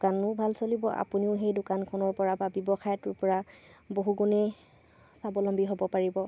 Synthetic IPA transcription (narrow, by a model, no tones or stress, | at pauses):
kanʊbʱalsolibɔ̰ʔa̰puniʊxejdʊkankʰɔnɔɹpɔɹababjɔbɔxajɔtʊɹpɔɹaboɦuɡunɛ | sabɔlɔmbiɦobɔpaɹibɔ